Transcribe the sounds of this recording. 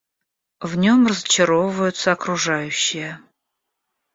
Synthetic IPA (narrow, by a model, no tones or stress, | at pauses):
vnʲo̞mrəzət͡ɕɪɾovəvəjʊt̪səɐkɾʊʐajʉɕːɪjə